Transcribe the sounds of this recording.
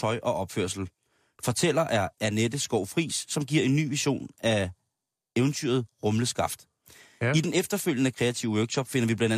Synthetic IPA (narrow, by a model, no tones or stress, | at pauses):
ɒ̽ɪʔɒ̽ʔɒ̽b̥føɐ̰sl̩ | fɒ̽t͡sʰel̰ɐʔæɐæned̥əsɡ̥ɒʊ̰fʁḭːsːɒ̽mɡ̥iɐ̰e̝nːy̰ːʋiɕo̝̰ːnʔæ | eʊnt͡sʰyɐð̞̩ˠʁɔ̽mləsɡ̥ɑ̈fd̥ | id̥enefd̥ɐføl̰jənəkʰʁɛæt͡sʰiʊəwøɐɡ̥ɕɒ̽b̥fe̝nɐʋib̥lænd̥æ